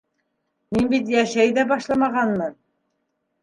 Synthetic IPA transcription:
minbit̪jæʃæjd̪æbɑʃlˠɑmɑʁɑnmɤn

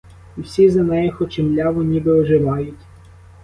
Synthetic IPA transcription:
wsʲizɐnɛjɛxɔt͡ʃɪmlʲaʋɔnʲibeɔʒɪʋɑjʊtʲ

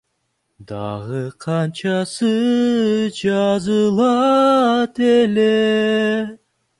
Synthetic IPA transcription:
d̪ɑ̰ʁɯqʰɑnt͡ʃɑsɯ | d͡ʒɑzɯlˠɑ | t̪ele

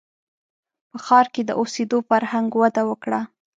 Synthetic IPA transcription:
pəxɑɾked̪əʔosed̪ofaɾhaŋɡwad̪awəkɽa

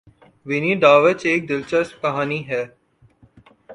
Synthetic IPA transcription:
ʋɪniɖaːʋət͡ʃeːk̚d̪ɪlt͡ʃəsp̚kɐɦaːniɦɛː

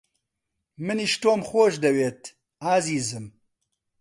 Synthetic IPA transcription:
mɨniʃt̪oːmxoːʃd̪ɐweːt̪ | aːziːzɨm

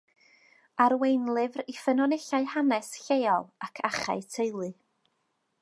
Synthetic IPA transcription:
aɾwejnlˠɨvrifənɔneɬaɨhanɛsɬejɔlˠakʰaχa̰ɨtʰejlˠɨ

